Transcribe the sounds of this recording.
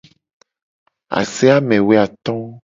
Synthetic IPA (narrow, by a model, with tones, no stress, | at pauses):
a̰˨sɛ˦a˦mɛ̃˨we˦a˨t̪ɔ̃˦